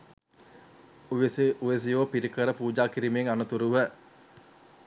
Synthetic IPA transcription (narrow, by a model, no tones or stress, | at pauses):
uʋesiʔuʋes̬iʋopiɾikəɾəpuːd͡ʒaːkiɾimeŋanɐt̪uɾuʋæ